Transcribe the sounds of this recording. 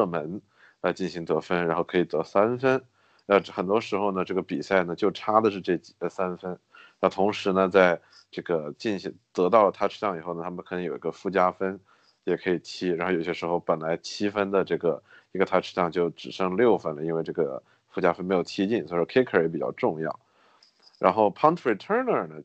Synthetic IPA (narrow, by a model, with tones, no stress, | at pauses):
ɤ˥˩mə˧˥n | la˧˥ɪt͡ɕi˥˩nɕi˧˥ŋt̪ɤ˧˥fə˥nɻa˧˥xo˥˩ʊkʰɤ˧˥i˨˩t̪ɤ˧˥sa˥nfə˥n | a˥˧xə˨˩nt̪wɔ˥ʂɻ̩˧˥xo˧ʊnə˩ʈ͡ʂɤ˥˩ɡə˩pi˨˩sa˥˩ɪnə˩t͡ɕjo˥˩˧ʊʈ͡ʂʰa˥d̪ə˨ʂɻ̩˥˧ʈ͡ʂɤ˥˧˩t͡ɕi̥˥˩sa˥nfə˥n | na˥˩t̪ʰʊ˧˥ŋʂɻ̩˧˥nə˧t͡sa˥˧ɪ | ʈ͡ʂɤ˥˩ɡə˩t͡ɕi˥˩nɕi˧˥ŋt̪ɤ˧˥t̪ɑ˥˩ʊlə˩t̪ʰa˥ʈ͡ʂ̩ʰ˥jɑ˥˩ŋi˨˩xo˥˩ʊnə˩a˥mə˧˨kʰnɤ˧˥ŋjo˨˩ʊi˧˥ɡə˧fu˥˩t͡ɕja˥fə˥n | jɛ˨˩kʰɤ˧˥i˨˩t̪ʰi˥ɻa˧˥nxjo˨˧˩ɕjɛ˥ʂɻxo˥˩ʊpə˨˩nla˧˥ɪt͡ɕʰi˥fə˥nd̪ə˨ʈ͡ʂɤ˥˩ɡə˩ | i˧˥ɡə˧t̪ʰa˥ʈ͡ʂʰɻ̩˥ɕjɑ˥˧ŋt͡ɕjo˥˩ʊʈ͡ʂɻ̩˨˩ʂɤ˥ŋljo˥˩ʊfə˥nlə˩i˥nwe˥˧ɪʈ͡ʂɤ˥˩ɡə̰˩ | fu˥˩t͡ɕja˥fə˥nme˧˥jʊt̪ʰi˥t͡ɕi˥˩nswɔ˧˥˧ʂkʰɪ˥kʰə˥˨˩jɛ˥pi˨˩t͡ɕɑ˥˧ʊʈ͡ʂʊ˥˧ŋjɑ˥˩ʊ | ɻa̰˧˥nxo˥˩ʊpʰɑ˥ŋt̪ʰɹi˥˩t̪ʰə˥nə˞˨˩nə˩